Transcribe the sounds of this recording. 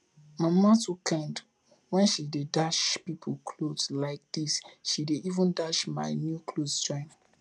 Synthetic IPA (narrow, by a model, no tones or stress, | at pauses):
mãmatukʰɛ̃nd | wɛ̃nʃidedaʃpipʰulkʰlodlaɪk̚d̥isʃideʔivə̃ndaʃma̰ɪnjukʰloztɹĩm